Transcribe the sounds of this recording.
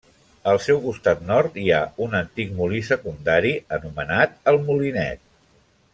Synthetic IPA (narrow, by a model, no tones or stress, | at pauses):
əlˠsɛwkust̪at̪nɔɾt̪iaunənt̪ik̚mulisəkund̪aɾiənumənat̪̚əlˠmulinɛ̰t̪̚